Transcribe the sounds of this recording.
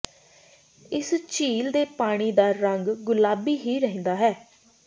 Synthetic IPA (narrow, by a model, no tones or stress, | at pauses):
ɪst͡ʃiːld̪eːpaːɽ̃iːd̪aːɾəŋɡɡʊlaːbiːɦiːɾəɦẽːnd̪aːɦɛː